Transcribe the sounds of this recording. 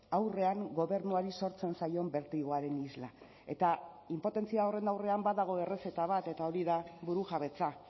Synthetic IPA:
awre̞aŋɡo̞βe̞ɾnuaɾiso̞ɾt͡se̞nsajo̞mbe̞ɾt̪iɣo̞aɾe̞nizla | e̞t̪a | impo̞t̪e̞nt͡siaore̞nd̪awre̞ambaðaɣ̞o̞e̞re̞se̞t̪aβat̪e̞t̪ao̞ɾiðaβuɾuʝaβe̞t͡sa

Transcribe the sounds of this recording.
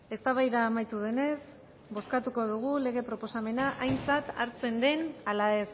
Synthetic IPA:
e̞st̪aβajðaːmajt̪uðe̞ne̞s | bo̞skat̪uko̞ðuɣ̞ule̞ɣ̞e̞pɾo̞po̞same̞naʔajnt͡sat̪aɾt͡se̞nd̪e̞nalae̞s

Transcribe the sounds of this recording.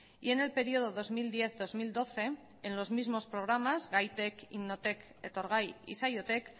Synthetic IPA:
ie̞ne̞lpe̞ɾio̞ð̞o̞ð̞o̞zmild̪je̞θðo̞zmild̪o̞θe̞ː | nlo̞zmizmo̞spɾo̞ɣ̞ɾamazɣajt̪e̞kḭmno̞t̪e̞k | et̪o̞ɾɣ̞ajḭsajot̪e̞k

